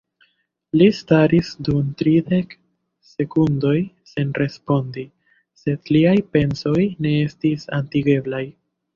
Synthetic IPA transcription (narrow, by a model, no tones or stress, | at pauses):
listaɾisdumtɾide̞k | se̞kundo̞j | se̞nrʔe̞spo̞ndi | se̞dliajpe̞nso̞jne̞e̞stisa̰ntiɡe̞blaj